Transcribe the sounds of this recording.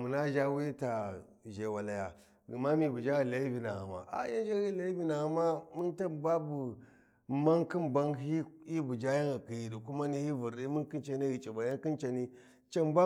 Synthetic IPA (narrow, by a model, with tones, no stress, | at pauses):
mu˨na˦ʒa˦wi˦ta˨ | ʒe˨wa˨la˨ja˨ | ɡi˨ma˦mi˨bu˨d͡ʒa˦ɣi˨la˨i˦vi˨na˨ɣa̰˨ma̰˨ʔa̰˨ja˦n˦d͡ʒa˦ɣi˦la˦i˦vi˦na˨ɣa˨ma˦mi˦nta˦ba˦bu˨ | ma˦ŋki˦mba˦ŋɦi˦i˦bu˨d͡ʒa˦ja˦ɣa˨ki˨ji˨ɗi˨ku˦ma˦ni˦hi˦vu˨ɾi˦mi˦nki˦nt͡ʃa˦ni˦ɣi˨t͡ʃʼi˨ba˨ja˦ŋki˦nt͡ʃa˨ni˦ | t͡ʃa˦mba˦